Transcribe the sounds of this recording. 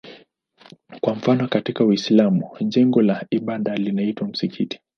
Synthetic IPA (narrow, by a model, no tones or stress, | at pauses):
kwaɱ̩fanɔkatikawislamuʄɛŋɡɔlaiɓaɗalinaitwam̩sikʰiti̥